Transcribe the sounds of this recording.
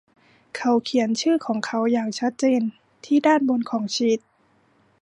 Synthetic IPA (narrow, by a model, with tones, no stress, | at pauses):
kʰa˧˥wkʰi˩˦ə˦nt͡ɕʰɯː˥˩kʰɔː˩˦ŋkʰa˧˥wjaː˨˩ŋt͡ɕʰa˦˥t̪̚t͡ɕeː˨n | t̪ʰiː˧˥˩daː˥˩˨nbo˧˨nkʰɔː˩˦ŋt͡ɕi˧˦t̪̚